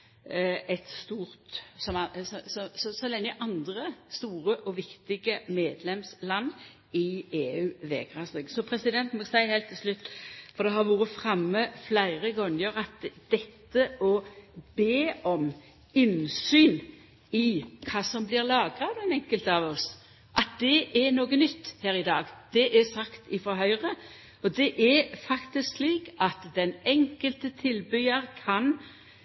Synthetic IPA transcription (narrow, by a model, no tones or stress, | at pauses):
ɛt̪st̪uːʁt̪sɔmsɔsɔsɔsɔlɛŋːəʔɑnd̪ɾəst̪uːɾəʔɔʋɪkt̪ɪɡəmeːd̪lɛmslɑnː | ɪeːʉːʋeːɡʁɑːsd̪ɛɡsɔpʰɾɛsɪd̪ɛnt̪nmɛsæɪheːlt̪ʰːɪlslʉt̪ːfɔɾd̪ɛɦɑɾʋuːɾəfɾɑmːəflæɪʁəɡɔŋəɾɑt̪d̪̥ɛt̪ːəʔɔbeːɔm | ɪnsyːn | ɪkʰɑːsɔmblɪʁlɑːɡɾɑʋd̪ɛnɛŋkəlt̪əɑʋɔs | ʔɑt̪̚d̪ɛʔɛɾnoːɡənʏt̪ːhæːɾɪd̪ɑːɡd̪̥ɛʔæsɑkt̪ɪfɾɔɦœʏʁə | ɔd̪ɛʔɛɾfɑkt̪ɪsksliːkɑt̪d̪ɛnɛŋkəlt̪ət̪ʰɪlbyɑɾkʰɑn